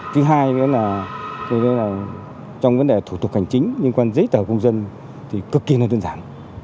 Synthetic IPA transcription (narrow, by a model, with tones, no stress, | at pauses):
t̪ʰɨ˨˦ɦaː˧jə˨˦laː˨˩kːlaː˨˩ | t͡ɕɔ˧wŋ͡mvə˨˦nɗe˨˩t̪ʰu˧˩t̪k̚ha˨˩jŋ̟t͡ɕï˨˦ŋ̟lɨ˧nkwaː˧nzə˨˦jt̪əː˧˩kə˧wŋ͡mzə˧n | t̪ʰi˨˩kɨ˨˩kːi˧˨naː˨˧˩zəː˧nzaː˧˩˨n